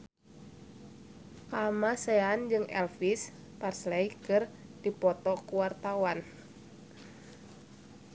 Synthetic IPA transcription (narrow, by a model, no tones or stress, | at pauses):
kamasɛand͡ʒɨŋɛ̰lfis | parslɛikɨrdipɔt̪ɔkuwart̪awan